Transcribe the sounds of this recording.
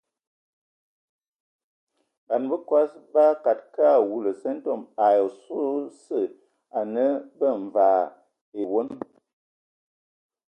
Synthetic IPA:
ba˨nbə˦kwa˦sba˦ka˨t̚ka˦˨wu˨lə˨sə˦n̩˦to˦˨ma˨jo˨so˦sə˦˨ | a˨nə˦bə˦˨ɱ˨vaː˨˦ | e˨wo˦n

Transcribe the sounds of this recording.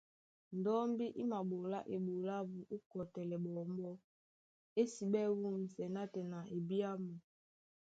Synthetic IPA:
n̩˨dɔ˦mbi˦ʔi˦ma˨ɓo˨la̰˦ʔe˨ɓo˨la˦vu˨ʔu˦kɔ˨tɛ˨lɛ˨ɓɔ˨mbɔ˦ | e˦si˨ɓɛ˦wu˦m̩˨sɛ˨na˦tɛ˨na˨ʔe˨bi˦a˦mu˨

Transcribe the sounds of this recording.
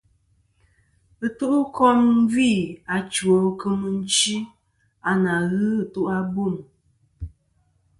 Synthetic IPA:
ə˦tu˦ʔu˦kʰɔ˦m˦vi˦˨a˨t͡ʃwo˨kə˦mɨ˦n̩˦t͡ʃi˦ | a˨na˨ɣɨ˦˨tu˦ʔa˦bo˦˨m

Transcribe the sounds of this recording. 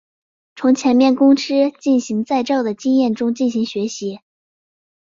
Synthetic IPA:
t͡sʰʊ˧˥ŋt͡ɕʰjɛ˧˥nmjɛ˥˩nkʊ˥ŋʈ͡ʂʰɻ̩˥t͡ɕi˥˩nɕi˧˥ŋt͡sa˥˧ɪʈ͡ʂɑ˥˩ʊd̪ə˩t͡ɕi˥ŋjɛ˥˩nʈ͡ʂʊ˥ŋt͡ɕi˥˩nɕi˧˥ŋɕɥɛ˧˥ɕi˧˥

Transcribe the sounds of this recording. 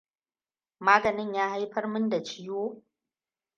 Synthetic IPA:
maː˦ɡɐ˨nɪ˦ɲjaː˦ha˦jɸɐ˦rmʊ˦nda˨t͡ʃɪ˦joː˦

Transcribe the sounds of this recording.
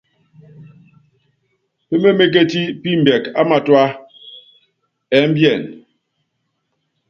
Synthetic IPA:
pe˦me˦me˦k̬e˦ti˦pi˦m̩˨bɛ˨ka˦ma˨twa˦ | ɛ˨˦m̩˦bjɛ˨n

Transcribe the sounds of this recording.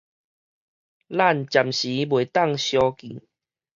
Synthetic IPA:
la˥˨nt͡ɕja˨˩mɕi˨˦bwe˨˩t̪a˥˨ŋɕjɔ˧kḭ̃˨˩˦

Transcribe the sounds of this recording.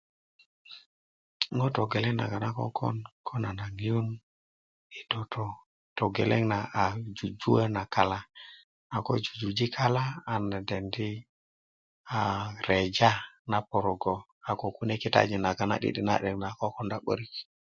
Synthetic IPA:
ŋo˦to˨ɡe˨le˦ŋna̰˨ɡa˨na˦kɔ̰˦kɔ̰˦nkʰɔ˦na˨na˨ŋi˨ju˦n | i˨do˨to˨ | to˨ɡe˨le˦ŋna˨ʔa˨d͡ʒu˨d͡ʒu˦a˦na˨ka˨la˦ | a˨ko˦d͡ʒu˨d͡ʒu˨d͡ʒi˦kʰa˦laː˦˨na˨dɛ˨ndi˦ | a˨ɾe˨d͡ʒa˦na˨po˨ɾo˨ɡo˨ | a˨ko˨ku˦ne˦ki˦ta̰˦d͡ʒi˨na˨ɡa˨na̰˨ɗḭ˦ɗi˦na̰˨ɗɛ˨ŋna˨ko˦kɔ˦nda˨ɓə̰˦ɾi˦k

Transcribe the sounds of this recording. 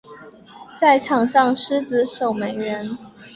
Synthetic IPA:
t͡sa˥˩ɪʈ͡ʂʰɑ˨˩ŋʂɑ˥˩ŋʂ̩˥t͡s̩˧˥ʂo˨˩ʊme˧˥ɪɻə˧˥n

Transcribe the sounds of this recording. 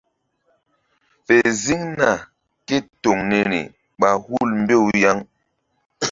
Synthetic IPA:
fe˨zi˦ŋna˨ | ke˦to˨ŋne˨nḭ˨ | ɓa˨hu˦˨lm˦be˦˨wja˦ŋ

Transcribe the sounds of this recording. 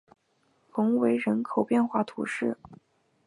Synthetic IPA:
fʊ˧˥ŋwe˧˥ɪɻə˧˥nkʰo˨˩ʊpjɛ˥˧nxwa˥˩t̪ʰṵ˧˥ʂɻ̩˥˩

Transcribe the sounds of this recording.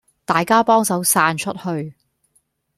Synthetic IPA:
t̪aː˨jkaː˥pɔː˥ŋsɐ˨˥wsaː˧˥nt͡ʃʰɵ˥t̚hɵ˧ɥ

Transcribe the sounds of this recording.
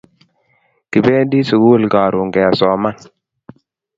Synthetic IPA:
ki˨be˦di˦si˨ɡu˦˨lɡa˨ɾu˨ŋɡɛ˨a˨sɔ˨ma˦n

